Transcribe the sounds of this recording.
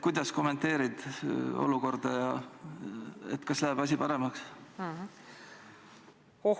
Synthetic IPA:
kujd̪̥ɑsko̞mːe̞nt̪ːe̞ːɾid̪̥o̞̰luko̞rd̪̥ɑjɑ | ḛt̪ːkɑslæɦeb̥ɑs̬ʲipɑɾe̞mɑks

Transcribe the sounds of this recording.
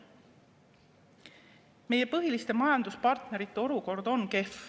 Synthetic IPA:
me̞je̞pɤɦilist̪e̞mɑjɑnd̪̥uspɑrt̪ne̞ɾit̪ːeo̞luko̞rd̪̥o̞nke̞f

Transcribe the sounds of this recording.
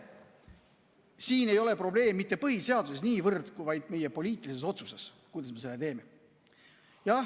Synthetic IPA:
siːne̞jo̞le̞pro̞ble̞ːmːit̪ːe̞pɤɦise̞ɑd̪use̞s̬niːvɤrd̪kuvɑjd̪̥me̞jepo̞lʲiːt̪ˑilise̞so̞t̪suses | kujd̪̥ɑsme̞se̞lːet̪e̞ːme̞ | jɑ

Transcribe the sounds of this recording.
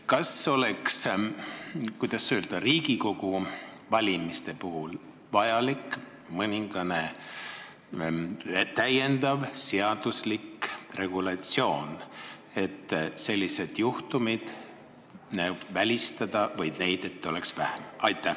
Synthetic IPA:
kɑso̞leks | kujd̪̥ɑsøːld̪̥ɑriːɡ̥iko̞ɡ̥uvɑlʲimist̪e̞puɦul | vɑjɑlik | mɤnʲiŋɡ̥ɑne̞ | t̪æje̞nd̪̥ɑvseɑd̪̥uslikre̞ɡ̥ulɑt̪sio̞ːn | e̞t̪ːse̞lʲːise̞d̪̥juht̪umid̪̥ | vælʲist̪ɑd̪̥ɑvɤjd̪̥ne̞jd̪̥e̞t̪ːˑo̞leksvæhæmɑjt̪ːˑæ

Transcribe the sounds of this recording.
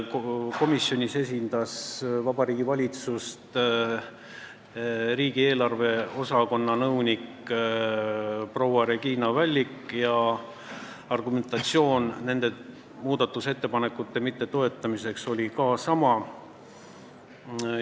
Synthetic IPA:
ko̞misːjo̞nʲise̞sʲind̪̥ɑsvɑbɑɾiːɡivɑlʲit̪sust̪ | ɾiːɡ̥ie̞ːlɑrve̞o̞sɑko̞nːɑnɤwnʲik | pro̞wɑɾe̞ɡ̥iːnɑvælʲːikːˑjɑ | ɑrɡume̞nt̪ɑt̪sio̞ːnne̞nd̪̥e̞ | muːd̪̥ɑt̪ːˑuse̞t̪ːe̞pɑnekːˑut̪ːˑe̞mit̪ːe̞t̪o̞e̞t̪ːˑɑmise̞kso̞lʲikɑːsɑmɑ

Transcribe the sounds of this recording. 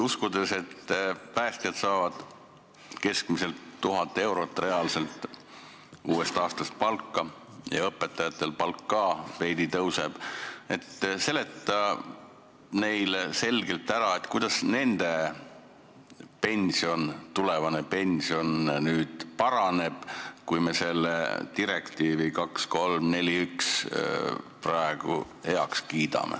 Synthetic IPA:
uskud̪̥e̞se̞t̪ːpæːst̪jɑt̪sɑːvɑd̪̥ | ke̞skmise̞lt̪ːuɦɑt̪ːˑee̞wɾo̞t̪ːˑre̞ɑːlse̞lt̪ːˑ | uːe̞st̪ɑːst̪ɑst̪̚pɑlkːˑɑ | jɑ̰ɤpːˑe̞t̪ːˑɑjɑt̪ˑːe̞lpɑlkːɑːpe̞jd̪it̪ɤwse̞b̥e̞t̪ːse̞le̞t̪ːˑɑ | ne̞jlse̞lɡ̥e̞lt̪ːæɾɑe̞t̪kujd̪̥ɑsne̞nd̪̥e̞ | pe̞nʲsio̞nt̪ule̞vɑnepe̞nʲsio̞nnyːd̪̥pɑɾɑne̞b̥kujme̞se̞lːḛt̪iɾe̞kt̪iːvikɑksko̞lmne̞lʲiyks | prɑe̞ɡ̥ṵ | he̞ɑkskiːd̪̥ɑ̰mḛ

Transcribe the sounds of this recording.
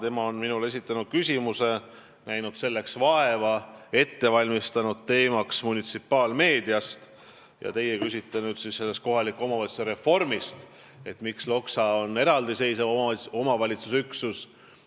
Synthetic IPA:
t̪e̞mɑo̞nminule̞s̬it̪ːˑɑnud̪̥̚kysʲimuse̞ | næjnud̪̥se̞lːe̞ksvɑe̞vɑe̞t̪ːe̞vɑlʲmist̪ɑnud̪̥̚t̪e̞ːmɑksmunit̪sipˑːɑːlme̞ːd̪̥iɑst̪ | jɑ̰t̪e̞jekysʲit̪ːˑenyːd̪̥sisse̞lːe̞st̪̚ko̞ɦɑlikːˑuo̞mɑvɑit̪su̥seɾefo̞rmist̪ | e̞t̪mikslo̞ksɑonːe̞ɾɑld̪ise̞jsevoo̞mɑvɑlʲit̪susyksus

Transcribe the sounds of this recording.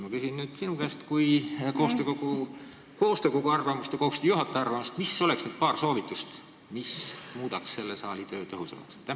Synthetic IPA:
mɑkysinnyːd̪̥sinukæːst̪kujko̞ːst̪øːkoku | ko̞ːst̪øːkokuɑrvɑmust̪jɑkoust̪juɦɑt̪ːˑe̞ɑrvɑmust̪misːo̞leksnyːd̪̥̚pɑːrso̞ːvit̪ːˑust̪ | mismuːd̪ɑksːe̞lːe̞sɑːlit̪ø̞ːt̪ɤɦusḛmɑ̰kst̪æ

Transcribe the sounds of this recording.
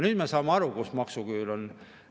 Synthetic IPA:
nyːd̪mesɑːmeɑɾukusmɑksuɡ̥yːlon

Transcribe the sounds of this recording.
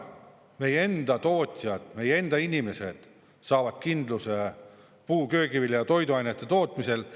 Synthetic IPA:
me̞jee̞nd̪̥ɑt̪o̞ːt̪ʲˑjɑd̪̥me̞jee̞nd̪̥ɑinʲime̞se̞d̪̥ | sɑːvɑd̪̥kind̪luse | puːkø̞ːkiviljɑt̪o̞jd̪uɑjnet̪ːˑe̞t̪o̞ːt̪ˑmisel

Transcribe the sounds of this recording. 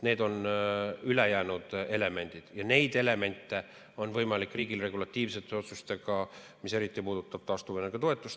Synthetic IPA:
ne̞ːd̪o̞n | ylejæːnud̪̥e̞le̞me̞nʲd̪̥id̪̥jɑne̞jd̪ele̞me̞nʲt̪ːˑe̞ | o̞nvɤjmɑlikːˑriːɡilre̞ɡulɑt̪ˑːiːvse̞t̪ːˑeo̞t̪sust̪e̞ɡ̥ɑ | mise̞ɾit̪ːˑipuːd̪̥ut̪ːˑɑb̥̚t̪ɑst̪uvenːeɡ̥ɑt̪o̞et̪ːˑust̪

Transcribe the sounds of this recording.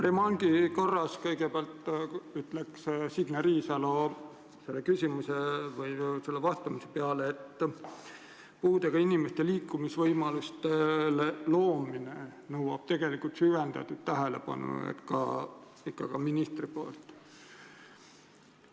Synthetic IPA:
premɑŋɡ̥iko̞rːɑskɤjɡ̥e̞peɑlt̪ːyt̪lekssiɡ̥nɑɾiːsɑlo | se̞lːekysʲimuse̞vɯjse̞lːevɑst̪ˑɑmise̞̥peɑleːt̪ː | puːd̪eɡ̥ɑinimest̪e̞liːkːˑumisvɤjmɑlust̪elelo̞ːminenɤwwɑ̰b̥t̪e̞ɡ̥e̞likult̪syvend̪̥ɑ̰t̪ːˑud̪̥t̪æɦele̞̰pɑ̰nṵḛt̪kɑ̰ | ikːɑkɑminist̪ripoːlt̪ˑ

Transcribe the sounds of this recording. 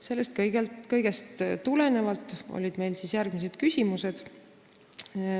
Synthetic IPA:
se̞lːest̪kɤjɡeltkɤjɡ̥e̞st̪t̪ːule̞ne̞vɑlt̪ːˑo̞̰lʲid̪̥me̞jlsisjærɡ̥mis̬ed̪̥kysʲimuse̞d̪̥

